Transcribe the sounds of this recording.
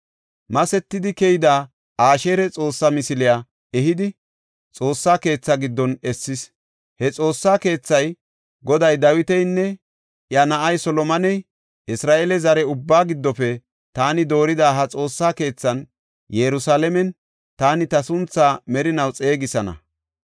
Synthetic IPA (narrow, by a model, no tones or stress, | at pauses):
mɐsɛt̪ːɪd̪ɪkɛjɪd̪aː | ʔaːʃe̞ːɾɛt͡sʼo̞ːsːɐmɪsɪlɪja | ɛɦɪd̪ɪ | t͡sʼo̞ːsːaːke̞ːt͡sːɐɡɪd̪ːɔnɛsːɪs | hɛt͡sʼo̞ːsːaːke̞ːt͡sːɐj | ɡɔd̪ɐjd̪ɐwɪt̪ɛjnːɛ | ʔjɐnɐʔɐjsɔlɔmɐnɛj | ʔɪsɾaːʔelɛzɐɾɛʊbːaːɡɪd̪ːɔfɛ | t̪aːnɪd̪o̞ːɾɪd̪aːɦɐt͡sʼo̞ːsːaːke̞ːt͡sːɐn | jɛɾʊsaːlɛmɛn | t̪aːnɪt̪ɐsʊnt͡sːaːmɛɾɪnɐwt͡sʼe̞ːɡɪsɐnɐ̰